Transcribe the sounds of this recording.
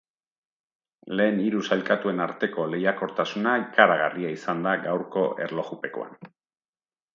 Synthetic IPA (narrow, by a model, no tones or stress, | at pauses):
le̞ːniɾusajlkat̪ue̞naɾt̪e̞ko̞le̞jako̞ɾt̪asunaikaɾaɣa̰riaisand̪aɡawɾko̞e̞ɾlo̞ɣupe̞ko̞̰a̰n